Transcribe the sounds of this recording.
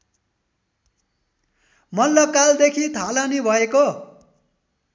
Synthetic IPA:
mʌlːʌkald̪ekʰit̪ʰalanibʱʌeko

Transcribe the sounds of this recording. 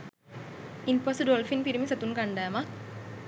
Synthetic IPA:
inpɔsdɔlfinpiɾəmisat̪unkandama

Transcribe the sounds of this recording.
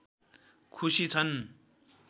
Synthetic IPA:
kʰusit͡sʰʌn

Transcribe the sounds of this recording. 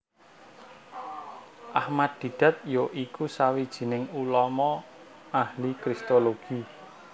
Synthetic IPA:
ʔahmad̪̥̚d̪̥i̤d̪̥ä̤t̪̚joʔikusawid̥ʒ̥i̤nɪŋulɔmɔ | ahlikɾist̪oloɡ̥i

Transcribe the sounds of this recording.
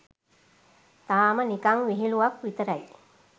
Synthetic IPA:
t̪aːmənikaŋʋiɦiluʋakʋit̪əɾɐj

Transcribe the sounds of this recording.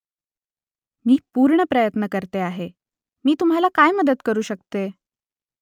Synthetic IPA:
miːpuːɾɳəpɾəjət̪nəkəɾt̪eaɦe | miːt̪um̤ɦalakajməd̪əd̪kəɾuːɕək̚t̪e

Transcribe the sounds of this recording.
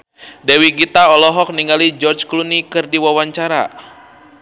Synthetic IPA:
dɛwiɡit̪aɔlɔɦɔk̚niŋɡalid͡ʒɔrd͡ʒklunikɨrdiwawaɲt͡ʃaɾa̰

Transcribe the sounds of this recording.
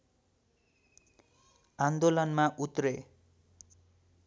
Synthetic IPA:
and̪olʌnmaʔut̪re

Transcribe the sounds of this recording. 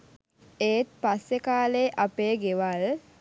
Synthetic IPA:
eːt̪̚pasːekaːleːʔapeːɡeʋal

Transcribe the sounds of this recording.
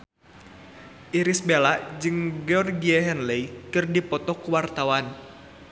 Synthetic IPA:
ʔiɾisbelad͡ʒɨŋɡɔrɡiɛɦɛnlɛikɨrdipɔt̪ɔkuwart̪awan

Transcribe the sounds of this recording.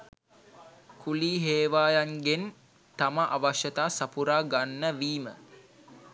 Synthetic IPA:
kʰuliːɦeːʋaːjaŋɡen | t̪aməʔaʋaʃjɐt̪aːsapuɾaːɡanːəʋiːmə̰

